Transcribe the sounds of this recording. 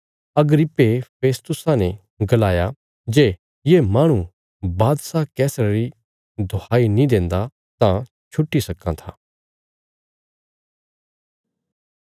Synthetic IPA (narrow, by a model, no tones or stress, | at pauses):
ɐɡɾɪpːepʰeːst̪ʊsãnẽ | ɡɐlaːja | d͡ʒeː | jemaːɽ̃u | baːd̪sakɛːsəɾəɾi | d̪ʱoaːinĩd̪ẽːnd̪a | t̪ã | t͡ʃʰʊʈːisɐkːãt̪ʰaː